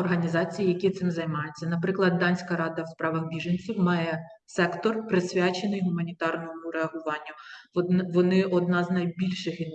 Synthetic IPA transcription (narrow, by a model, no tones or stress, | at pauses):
ɔrɦɐnʲizɑt͡sʲijijɐkʲit̪sɪmzɐjmɑjʊt͡sʲːɐnɐpɾɪklˠɐd̪ːɑnʲsʲkɐɾɑd̪ɐwspɾɑʋɐxbʲiʒenʲt͡sʲiwmɑjɛ | sɛkt̪ɔrpɾɪsʲʋʲat͡ʃenɪjɦʊmɐnʲit̪ɑrnɔmʊɾeɐɦʊʋɑnʲːʊ | ʋɔnɪɔd̪̚nɑznɐjbʲilʲʃɪxin